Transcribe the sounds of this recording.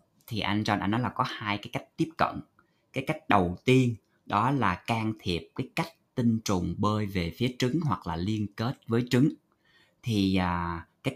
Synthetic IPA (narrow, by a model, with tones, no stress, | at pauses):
t̪ʰi˨˩ʔa̰˧jŋ̟zɔ˧nʔnɔ˨˦jlaː˨˩kɔ˨˦haː˧jkaː˨˦jka˦˥jk̟̚t̪i˦˥əp̚kə̰˧˨n | kaː˨˦jka˦˥jk̟̚ɗə˨˩wt̪i˧ən | ɗɔ˨˦laː˨˩kaː˧ŋt̪ʰi˨˩əp̚kaː˨˦jka˦˥jk̟̚t̪i˧ŋ̟t͡ɕʊ˨˩ŋ͡mɓəː˧jve˨˩fi˨˦ət͡ɕɨ˨˦ŋɦwa˨˩k̚laː˨˩li˧ənke˦˥t̚vəː˨˦jt͡ɕɨ˨˦ŋ | t̪ʰi˨˩aː˨˩kaː˨˦j